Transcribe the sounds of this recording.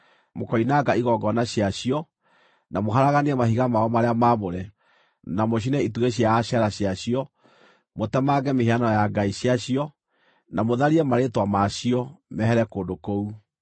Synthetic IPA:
mokɔinaɡaiɣɔɡɔnaɕiaɕijɔ | namoɦaɾaɣaniɛmahiɣamaɔmaɾeamamoɾɛ | namoɕ̬inɛituɣeɕjaːɕaɾaɕjaɕijɔ | motɛmaɡɛmeheanɔjaɡaiɕiaɕiɔ | namoðaɾiɛmaɾetwamaɕiɔmɛhɛɾɛkoːndokou

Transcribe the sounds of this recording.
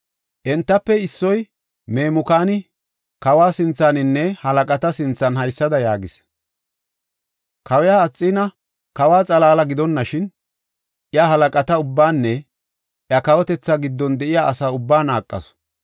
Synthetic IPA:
ʔɛnt̪ːɐpːɛɪsːɔj | me̞ːmʊkaːnɪ | kɐwaːsɪnt͡sːaːnɪnːɛhɐlɐkʼɐt̪ɐsɪnt͡sːɐnhɐjsːɐd̪ɐjaːɡɪs | kɐwɛjaːt͡sʼːɪːnɐ | kɐwaːt͡sʼɐlaːlɐɡɪd̪ɔnːɐʃɪn | ʔɪjaɦɐlɐkʼɐt̪ɐʊbːaːnːɛ | ʔjɐkɐwɔt̪ɛt͡sːaɡɪd̪ːɔnd̪ɛʔɪjaʔɐsaːʊbːaːnaːkʼːɐ̰s

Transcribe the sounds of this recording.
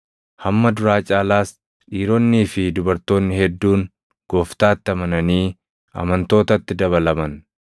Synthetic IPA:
hɐmːɐd̪ʊɾaːt͡ʃʼaːlaːs | ᶑiːɾonːiːfɪd̪ʊbɐɾt̪o̞ːnːɪhɛd̪ːuːŋ | ɡ̥oːft̪aːt̪ːɪɐmɐnɐniː | ɐ̰mɐnt̪o̞ːt̪ɐt̪ːɪd̪ɐβɐlɐmɐn

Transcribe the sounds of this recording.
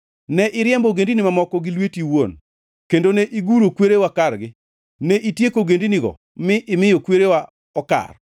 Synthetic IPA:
nɛʔɪɾjɛmboɡendinimamɔkɔɡɪlwetiwon | kendoneʔiɡuɾokweɾewakaɾɡɪ | nɛʔitjekoɡendiniɡɔ̰ | mɪʔɪmɪjokweɾewa | ɔka̰r

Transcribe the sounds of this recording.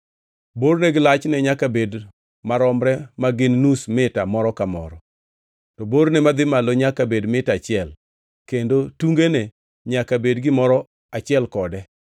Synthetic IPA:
boɾneɡɪlat͡ʃnɛɲakabed | maɾɔmɾɛmaɡɪnnusmɪtamɔɾɔkamɔ̰ɾɔ | tɔboɾnɛmad̪ɪmaloɲakabedmɪtat͡ʃɪɛl | kendotuŋɡene | ɲakabedɡɪmɔɾɔ | at͡ʃɪɛlkɔdɛ

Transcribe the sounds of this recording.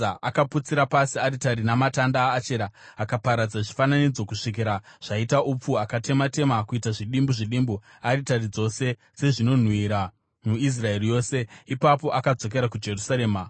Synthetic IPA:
aʔakaput͡siɾapasiaɾitaɾinamatandaːt͡ʃe̞ɾaːkapaɾad͡zaʐifananid͡zo̞kuʂik̬iɾaʐ̥aitaʔup͡fuakate̞mate̞makuitaʐiɗimbuʐiɗimbu | aɾitarid͡zo̞se̞ | d͡ze̞ʐino̞n̤wiɾa | muis̬rae̞rijo̞ːse̞ipapo̞ʔakad͡zo̞k̬e̞ɾakud͡ʒe̞rusaɾe̞ːma

